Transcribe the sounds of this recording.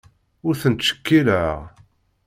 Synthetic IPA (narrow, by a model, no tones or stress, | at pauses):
ʊɾθənt̪ːsə̥kːiɾəʁ